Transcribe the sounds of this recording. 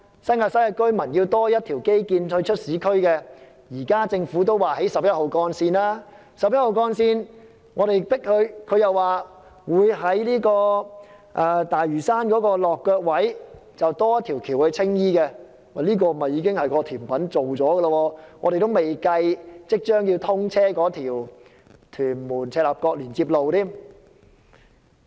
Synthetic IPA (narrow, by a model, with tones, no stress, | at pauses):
sɐ˥nŋaː˧t̚sɐ˥jɐ˧kɵ˥ɥmɐ˨˩njiː˧wt̪ɔː˥jɐ˥t̚t̪ʰiː˨˩wke˥jkiː˧nhɵ˧ɥt͡ʃʰɵ˥t̚siː˨˥kʰɵ˥ɥkɛ˧ | jiː˨˩kaː˥t͡sɪ˧ŋfuː˨˥t̪o˥wwaː˨˩he˨˥jsɐ˨p̚jɐ˥t̚ho˨wkɔː˧nsiː˧naː˥ | sɐ˨p̚jɐ˥t̚ho˨wkɔː˧nsiː˧n | ŋɔː˨˧ɾe˨jpɪ˥k̚hɵ˧ɥkʰɵ˨˧ɥjɐ˨wːaː˨ | wuː˨˧jɦɐ˨˥jliː˥kɔː˧ | ʔɛː˧t̪aː˨jɥyː˨˩saː˥nkɔː˨˥kɔː˧lɔː˨kːœː˧k̚wɐ˨˥jt͡sɐ˨wt̪ɔː˥jɐ˥t̪ʰi˨˩wkʰiː˨˩whɵ˨˧ɥt͡sʰɪ˥ŋjiː˥kɛ˧ | ma˨˩liː˥k̬ɔː˧m̩˨˩˨hɐ˨˩jːiː˨˧˥kɪ˥ŋhɐ˨jkɔː˧t̪ʰiː˨˩npɐ˨˥nt͡so˨wt͡sɔː˨˥ɡə˧lɐ˧wɔː˧ŋɔː˨˧ɾe˨jt̪o˥wme˨jkɐ˧jt͡sɪ˥k̚t͡ʃœː˥ŋji˧wt̪ʰʊ˥ŋt͡sʰɛː˥kɔː˨˥t̪ʰiː˨˩w | t̪ʰyː˨˩nmuː˨˩nt͡sʰɛː˧t̚laː˨p̚kɔː˧k̚liː˨˩nt͡siː˧p̚lo˨wt̪ʰiː˥m